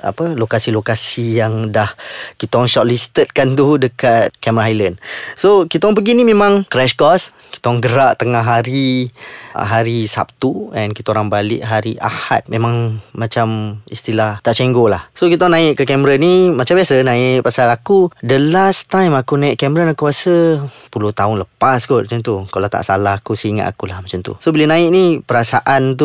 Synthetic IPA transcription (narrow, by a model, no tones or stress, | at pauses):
a̰pəlokasilokasijaŋdahkit̪ɔŋʃɔt̪̚list̪ət̪̚kant̪udəkat̪̚kɛmɾaɦajlənsokit̪aɔŋpəɡinimẽmãŋkɾɛʃkɔs | ki̥t̪ɔŋɡəɾaʔt̪əŋaɦaɾi | ɦaɾisa̰p̚t̪uɛ̰nkit̪aoɾaŋbalɪ̰ʔɦaɾiʔa̰ha̰t̪̚mẽmãŋːat͡ʃamist̪ilaht̪aʔt͡ʃeŋɡolahsokit̪aɔnaɪʔkəkɛməɾənimat͡ʃambiasənãɪʔpasalakudəlast̪ajmakunaɪʔkɛmɾənakuasəpulʊht̪aʊnləpasɡuʔ̚ant̪ukalat̪a̰ʔsa̰laɦakusiŋa̰t̪a̰kulahmat͡ʃamt̪ṵsobələnãɪʔnipəɾasaʔant̪̬u